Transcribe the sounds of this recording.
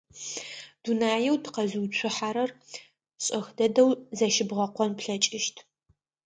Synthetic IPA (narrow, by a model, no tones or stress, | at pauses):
d̥unaːjɛwdqɐzuːt͡ɕʷʰʊħaɾɐr | ɕʼɐxdɐdɐwzɐʃɪbʁɐqʷɔnpɬɐt͡ʃʼɪʃtʰ